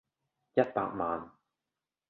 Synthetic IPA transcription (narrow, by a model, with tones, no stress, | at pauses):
jɐ˥t̚pa̰ː˧k̚maː˨n